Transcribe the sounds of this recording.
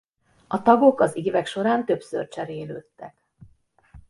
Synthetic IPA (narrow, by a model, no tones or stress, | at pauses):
ɒt̪ɒɡo̞kɒziːvɛkʃo̞ɾaːnt̪ø̞psø̰rt͡ʃɛɾeːløːt̪ːɛk